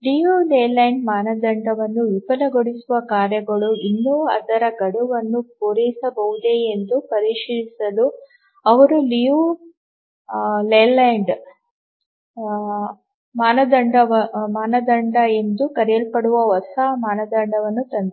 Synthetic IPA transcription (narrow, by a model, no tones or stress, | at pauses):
lijuleːlɐjɳɖmaːnɐd̪ɐɳɖɐʋɐnːuʋipɐlɐɡoɽisuʋɐkaːɾjɐɡɐɭuinːuɐ̰d̪ɐɾɐɡɐɽuʋɐnːupoɾɐjisɐbɐɦud̪eend̪upɐɾiːʂiɾisɐlu | ɐʋɐɾuliju | lelajɳɖ | maːnɐd̪ɐɳɖɐʋɐmaːnɐd̪ɐɳɖɐe̞nd̪ukɐɾɛjɐlpɐɽuʋɐɦɔsamaːnɐd̪ɐɳɖɐʋɐnːut̪ɐnd̪